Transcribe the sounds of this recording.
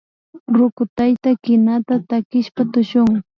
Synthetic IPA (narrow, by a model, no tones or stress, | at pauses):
ɾʊkʊt̪ajt̪akɪnat̪at̪akɪʃpat̪ʊʃʊŋ